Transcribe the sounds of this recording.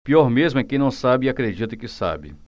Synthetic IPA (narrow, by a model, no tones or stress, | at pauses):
piɔɾmezmʊɛkẽnɐ̃w̃sabɪakɾed͡ʒit̪ɐkɪsa̰bɪ̰